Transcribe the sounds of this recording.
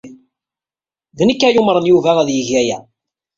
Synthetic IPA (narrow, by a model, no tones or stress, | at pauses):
ðnəkːæjʊmɾˤənjuvæʁæðjəʝæjæ̰